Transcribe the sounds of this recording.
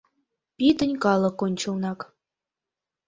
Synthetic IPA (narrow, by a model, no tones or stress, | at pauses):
pʲit̪ə̆nʲkɑlˠɤ̆kːonʲt͡ɕɤ̆lnɑk